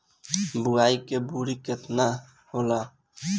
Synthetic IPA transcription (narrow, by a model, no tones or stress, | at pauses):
bʊaikebuɾiket̪na | hoːla